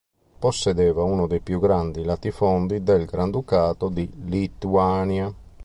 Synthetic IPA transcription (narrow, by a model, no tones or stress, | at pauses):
posːɛd̪ɛːvaunʊd̪ejpjuɡːɾand̪ilat̪ifɔnd̪id̪ɛlɡɾand̪ukaːt̪od̪ilit̪uaːnja